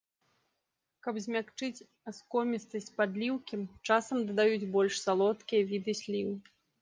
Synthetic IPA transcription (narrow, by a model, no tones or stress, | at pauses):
kɐpzʲmʲakt͡ʂɨt͡sʲ | askɔmʲist̪ɐsʲt͡sʲpad̪lʲiwkʲit͡ʂasɐmd̪ɐd̪ajud͡zʲbɔlʲʂsalˠɔt̪kʲijɐvʲid̪ɨsʲlʲiwɨ